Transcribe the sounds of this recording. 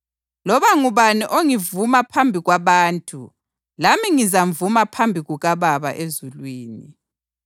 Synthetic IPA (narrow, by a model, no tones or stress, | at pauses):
lɔβaŋuβaniʔoŋivumapʰambʱiɣwaβaːntʼu | lamiŋizaɱvumapʰambʱiɣuɣaβaβa̰ʔezulwiːni